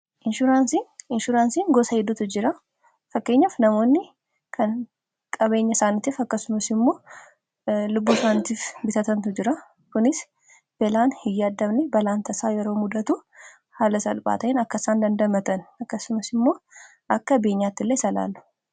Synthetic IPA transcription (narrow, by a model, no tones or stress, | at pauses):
ʔɪnʃʊɾaːnsinɪnʃʊɾaːnsiːŋɡosɐhɪd̪ːʊt̪ʊd͡ʒɪɾɐ | fɐkːe̞ːɲːaːfnɐmo̞ːnːɪ | kʰɐn | kʼɐβe̞ːɲːɐsaːnːɪt̪iːfɐkːɐsʊmɐsɪmːo̞ː | lʊbːuːsaːnːɪt̪iːfbɪt̪ɐt̪ɐnt̪ʊd͡ʒɪɾɐ | kʊnɪs | bɛlaːnhɪjːɐd̪ːɐmnɛbɐlaːnt̪ʰɐsaːjɛɾo̞ːmʊd̪ɐt̪uː | haːlɐsɐlpʼa̰ːt̪ɐɪːnɐkːɐsaːnd̪ɐnd̪ɐmɐt̪ɐnɐkːɐsʊmɐsɪmːo̞ː | ʔɐkːɐbeːɲːaːt̪ːɪlːeɪsɐla̰ːlːʊ̥